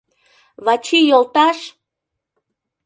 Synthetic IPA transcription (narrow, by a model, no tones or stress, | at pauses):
βɑt͡ɕijolt̪ɑʃ